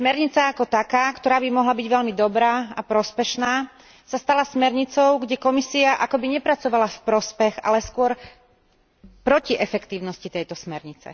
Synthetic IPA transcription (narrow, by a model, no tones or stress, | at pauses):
smɛɾɲit͡saːkɔt̪akaːkt̪ɔɾaːbimɔɦlabiɟʋɛʎmid̪ɔbɾaːapɾɔspɛʃnaː | sast̪alasmɛɾɲit͡sɔʊɡɟɛkɔmisiaʔakɔbiɲɛpɾat͡sɔʋalafpɾɔspɛɣa̰lɛskʊɔɾ | pɾɔciʔɛfɛkt̪iːʊnɔscit̪ɛjt̪ɔsmɛɾɲit͡sɛ̰